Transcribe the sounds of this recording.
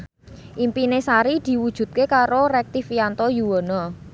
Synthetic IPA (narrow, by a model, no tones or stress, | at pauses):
ʔimpinesaɾid̪̥i̤wud̥ʒ̥ṳt̪̚kekaɾoɾɛk̚t̪ifijant̪ɔjuwɔnɔ